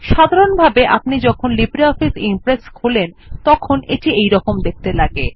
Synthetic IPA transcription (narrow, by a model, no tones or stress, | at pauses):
ʃad̪ʱaɾonbʱabeʔa̰pnid͡ʑɔkʰonlibɾiɔfisimpɾeskʰulen | t̪ɔkʰonʔeʈiejɾɔkomd̪ek̚t̪elaɡe